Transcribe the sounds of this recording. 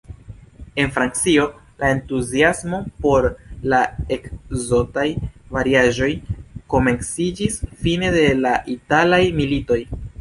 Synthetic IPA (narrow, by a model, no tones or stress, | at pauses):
e̞nfɾant͡sio̞ | lʔae̞ntuziasmo̞po̞ɾlae̞kzo̞tajvaɾiaʒo̞jko̞me̞nsid͡ʒisfine̞de̞laʔitalajmilito̞j